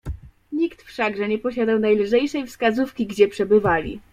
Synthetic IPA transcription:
ɲikt̪fʂaɡʐɛɲɛpɔɕad̪awnajlʐɛjʂɛjfskazufkʲiɡd͡ʑɛpʂɛbɘvalʲḭ

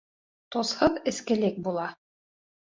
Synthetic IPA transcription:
t̪oshɤðɘ̆skɘ̆lɘk̚bulˠɑ

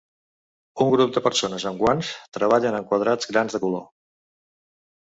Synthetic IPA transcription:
uŋɡɾup̚d̪əpəɾsonəzəŋɡwanst̪ɾəβ̞aʎənəŋkwəð̞ɾad͡zɣɾanzðəkulo̰

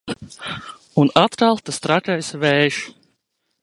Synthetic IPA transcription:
unat̪kalˠt̪ast̪ɾatajsvɛːʃ

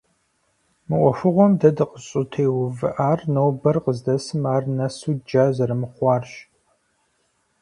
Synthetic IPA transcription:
mɨʔʷɔfɨʁʷɔmdɐdɨqəɕʼʊtʰeːwʊvɨʔaːrnowbɐrqəzdɐsɨmaːrnɐsuːd͡ʒaːzɐɾɨmɨχʷɑːrɕ

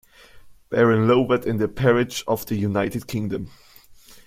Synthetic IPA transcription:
b̥ɛɹɨ̃nloʊədɪ̃nðəpʰɛɹɪd͡ʒɔvðəjunaɪtɨd̚kʰɪ̃ŋdə̃m

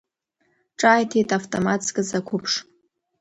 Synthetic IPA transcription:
ʈ͡ʂʼaːjtʰejtʼaftʼomat͡skʼɨzakʷʰʊpʰʂ

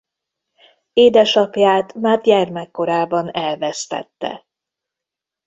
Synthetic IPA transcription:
eːd̪ɛʃɒpjaːt̪maːt̪jɛrmɛkːo̞ɾaːbɒnɛlvɛst̪ɛ̰t̪ːɛ̰

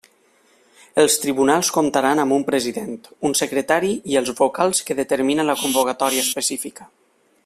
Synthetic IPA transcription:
əlˠst̪ɾiβunalˠskomt̪aɾanəmbumpɾəziðent̪unsəkɾət̪aɾiiəlˠzβokalˠskəðət̪əɾminənləkumbokat̪ɔɾiəspəsifikə̥

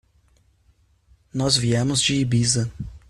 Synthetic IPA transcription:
nɔzviɛmʊzd͡ʒiːbizɐ

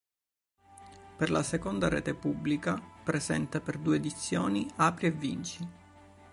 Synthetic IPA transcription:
perlasekond̪aɾḛːt̪epubːlikapɾezɛ̰nt̪aperd̪uːeːd̪it̪sːjoːniaːpɾievːint͡ʃi

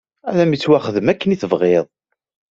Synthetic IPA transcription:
æ̰læmit͡sːwæχəðəmækːəniθəvʁeðˤ

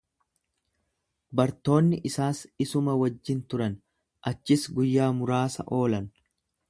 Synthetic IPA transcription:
bɐɾt̪o̞ːnːɪʔɪsaːsɪsʊmɐwɐd͡ʒːɪnt̪ʊɾɐn | ʔɐt͡ʃːɪsɡʊjːaːmʊɾaːsɐ̰ʔo̞ːlɐn

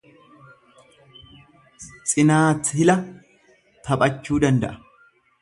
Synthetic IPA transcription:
t͡sʼɪnaːtːɪhɪlɐ | t̪ʰɐpʼɐt͡ʃːuːd̪ɐnd̪ɐ̰ʔɐ̥

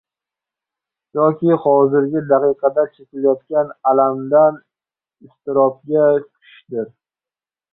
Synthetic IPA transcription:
jɒkʲɪhɒzɪɾɡʲɪd̪aqɨjqʰɑd̪at͡ʃʰekʲɪljɒt̪̚kʲanalamd̪an | ɪst̪ɪɾɒp̚ɡʲat͡ʃʰʊʊ̥ʃd̪ɪɾ

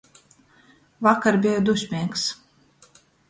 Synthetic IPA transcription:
vakaɾbʲijad̪usʲmʲiɛks

